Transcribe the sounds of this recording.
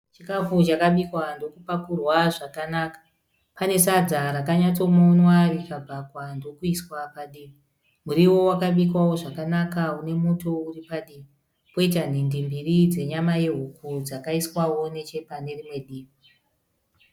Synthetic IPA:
t͡ʃikafut͡ʃakaɓikwando̞kupakurwaʐakanakḁ | pane̞sad͡zaɾakaɲat͡so̞monwarikabʱakwando̞kuiswapaɗimi | muɾiwo̞wakaɓikwawo̞ʐakanakaune̞muto̞uripaɗiːmi | po̞itan̤indimbirid͡ze̞ɲamajeɦukud͡zakaiswawo̞ne̞t͡ʃe̞pane̞rimwe̞ɗiːmi

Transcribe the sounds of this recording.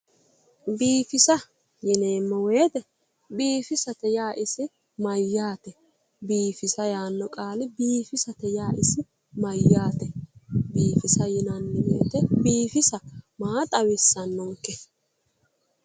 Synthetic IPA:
biːfɪsɐ | jɪneːmːɔweːt̪ɛ | biːfɪsɐt̪ɛjaːʔɪsɪ | mɐjːaːt̪ɛ | biːfɪsɐjaːnːɔkʼaːlɪbiːfɪsɐt̪ɛjaːʔɪsɪ | mɐjːaːt̪ɛbiːfɪsɐjɪnɐnːɪwḛːt̪ɛbiːfɪsɐmaːt̪ʼɐwɪsːɐnːɔŋkːɛ

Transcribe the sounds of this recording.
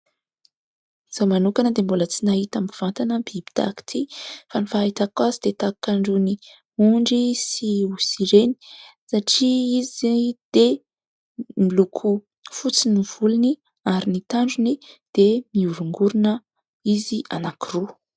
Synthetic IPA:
z̥omanukanəd̪embulət͡sinaɦit̪amiv̥ant̪anəbibi̥d̪̥a̰ki̥t̪ʰifanifait̪akwazid̪̥et̪akaɳɖ͡ʐuni | uɳɖ͡ʐisiusiɾeni̥saʈ͡ʂiizd̪̥e | milukʰu | fut͡siniv̥uluni | aɾinit̪aɳɖ͡ʐunid̪̥emiuɾuŋɡuɾunə | iziʔanakiru

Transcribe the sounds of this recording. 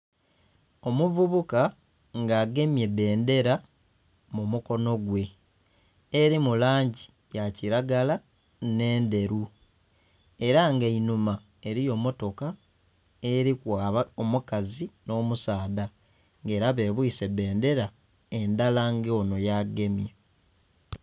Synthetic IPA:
o̞muvuβuka | ŋɡaːɡe̞mje̞be̞ːnde̞ɾa | mumuko̞no̞ɡwe̞ | eɾimulaːɲɟi | jaciɾaɡala | ne̞ːnde̞ɾu | eɾaŋɡeinuma | e̞ɾijo̞mo̞to̞ka | eɾikwaːβaomukazino̞ːmusaːda | ŋɡe̞ːɾaβe̞βwuise̞be̞ːnde̞ɾa | endalaŋɡeono̞jaɡe̞mjḛ

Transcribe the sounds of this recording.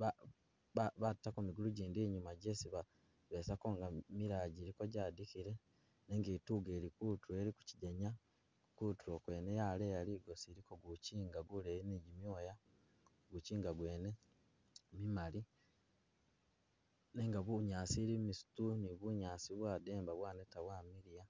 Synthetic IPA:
βa | aβatːakomiɡuluɟiːndiːɲumaɟesiβa | βe̞ːsako̞ŋɡamiɾaːɟiɾiko̞ɟaːdikiɾe̞ | ne̞ŋɡiːtuɡe̞ːɾikutue̞ɾiku̥ciɟeɲa | kutuɾokwe̞ːnejaːlejaliɡo̞siɾiko̞ɡuciːŋɡaɡuleːineɟimjoːja | ɡuciːŋɡaɡwe̞ːne̞ | mimali | neŋɡaβuɲaːsiɾimisu̥tuniβuɲaːsiβwaːde̞ːmbaβwaːnetawaːmiɾija

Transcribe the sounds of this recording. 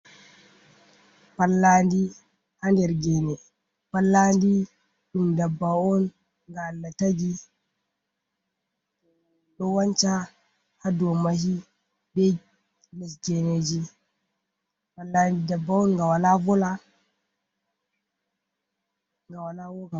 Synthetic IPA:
palːandi | handɛɾɡɛnɛ | palːandi | ɗumdabːaɔn | ŋɡaːlːataɡi | ɗɔwant͡ʃa | hadɔmahi | bɛ | lɛsɡɛnɛd͡ʒi | palːandidabːaɔnŋɡawalavɔla | ŋɡawalawɔka

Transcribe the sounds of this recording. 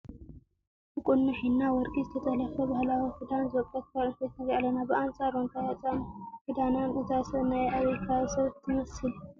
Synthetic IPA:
ʔɨkʼʊnːɨħinːawɔɾkʼizɨt̪ʰɐt̪ʼɐlɐfɐbahlawifɨd̪anzɨwɔkʼːɐt̪̚kaɾbet̪nɨɾalːɐnabɨʔant͡sʼaɾont̪ʰajat͡sʼanfɨd̪ananɨzasɐβnajaβɾkʰawisɐβt̪ʰːɨmɐsɨl

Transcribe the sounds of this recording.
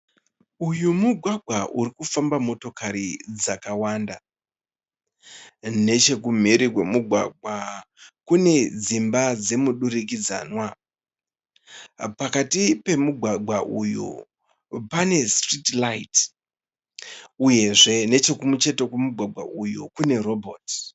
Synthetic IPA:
ujumuɡʱwaɡʱwaʔurikufambamo̞to̞kaɾid͡zakawanda | ne̞t͡ʃe̞k̬um̤eɾikwemuɡʱwa̰ɡ̚ʱwa | kune̞d͡zimbad͡ze̞muɗuɾik̬id͡za̰ːnwa | pakatipe̞muɡʱwaɡʱwaʔujṵ | pane̞stritlait | uje̞ʐe̞ne̞t͡ʃe̞kumut͡ʃe̞tekwemuɡʱwaɡʱwa̰ʔujukune̞ro̞bʱot

